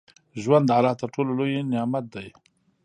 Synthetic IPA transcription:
ʒwand̪ːəalɑt̪əɾʈololojenɪjɑmat̪̚d̪aj

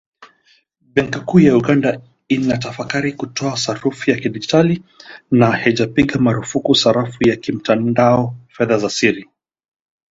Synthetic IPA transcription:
bɛŋkikujauɠanda | inat̬afakaɾikutɔasaɾufijakiɗid͡ʒitalinahɛʄapiɠamaɾufukusaɾafujakim̩tandaɔfɛðazasiɾi

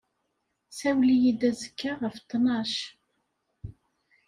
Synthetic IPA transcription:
sæwlijid̪æzəkːaʁəft̪ːnɑʃ

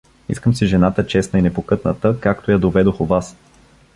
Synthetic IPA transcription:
ḭskəmsiʒɛnat̪ət͡ʃɛsnəinɛpokɤt̪nət̪əkak̚t̪ojad̪ovɛd̪oxovas

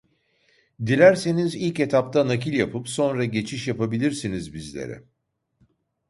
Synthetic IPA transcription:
d̪ilʲæɾse̞nizilʲce̞t̪ʰap̚t̪ʰanakilʲjapʰɯpso̞nɾaɟe̞t͡ʃʰiʃjapabilʲiɾsinizbizlʲḛɾɪ̰

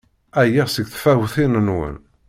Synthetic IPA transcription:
æjæsəɡθfæwθinənwə̰n

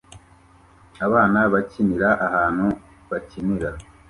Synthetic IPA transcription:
aβaːnaβaciniɾaʔaɦaːn̥hu | βaciniɾa

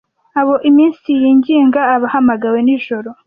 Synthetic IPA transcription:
aβo̞ʔimiːnsijiːɲɟiːŋɡaːβahamaɡawe̞niʒo̞ɾo̞

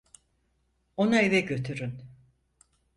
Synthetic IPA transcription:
onaivɛɟø̞t̪ʰyɾyn

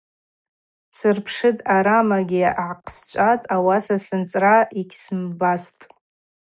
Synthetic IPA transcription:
sɨrpʰʂɨtʼaɾamaɡʲiʕaqʼʰst͡ʃʷʼatʼawasasɨnt͡sʼraiɡʲʰsɨmbastʼ

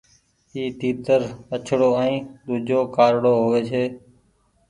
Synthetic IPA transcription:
iːt̪iːt̪əɾət͡ʃʰɽoːɛ̃ːɗ̪uːd͡ʒʱoːkaːɾɽoːɦoʋeːt͡ʃʰeː

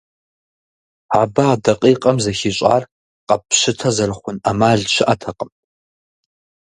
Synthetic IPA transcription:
abɐaːdɐqʼiːqʼɐmzɐxiɕʼa̰ːr | qʼɐpʰɕɪtʰɐzɐɾɨχʷʊnamaːɮt͡ʃʰɪʔatʰɐqʼəmʼ

